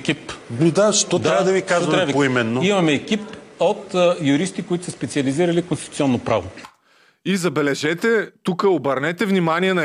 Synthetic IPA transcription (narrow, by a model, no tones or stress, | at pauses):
kʲip̪ud̪aʃt̪ɔt̪ɾavɐd̪ɐvikazvɐɾaɐpoimɛnːoimɐmɛːkipot̪jʊɾist̪ikoit̪ʊ̥sɐspɛt̪siɐliziɾɐlikõnst̪it̪u̥t̪ʲɔnːopɾavo | izɐbɛlɛʒɛt̪ɛt̪ukəobɐɾnɛt̪ɛvnimaniɛnɐ